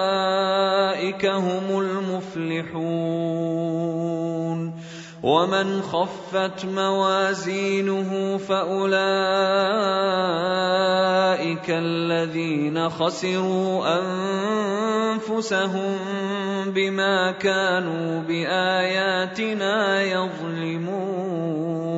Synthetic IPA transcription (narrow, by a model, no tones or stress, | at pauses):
ʔɪkaɦʊmʊlmʊflɪħuː | n | wʔamɪnxafːat̪mawaːziːnʊɦʊmfaʔʊla | ʔɪkaʔlːaðiːnaxɑsɪɾuːʔan | fʊsaɦʊmbɪmaːkaːnuːbɪʔaːjaːt̪ɪnaːjɑðˤlɪmuː